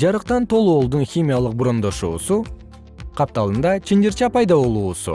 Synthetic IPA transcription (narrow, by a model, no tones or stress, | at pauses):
d͡ʒɑɾɯqt̪ɑnt̪ʰo̞lˠoːlˠd̪unxʲimʲijalˠɯq̚buɾo̞nd̪o̞ʃṵːsu | qʰɑp̚t̪ɑlˠɯnd̪ɑt͡ʃʰind̪ɪɾt͡ʃɑpɑjd̪ɑβo̞lˠuːsṵ